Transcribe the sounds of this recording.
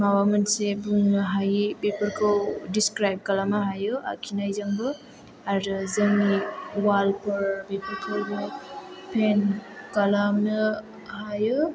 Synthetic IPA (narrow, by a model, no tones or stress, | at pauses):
mawamɐnsebuŋnɦajibepɐɾkʰɯwdiskɾajb̚kalamaɦajɯa̰kʰinajzɐŋbɯ | aɾɯzɐŋniwalpɐɾbipɐɾkʰojbɯpʰenkalamnɯ | hajɯ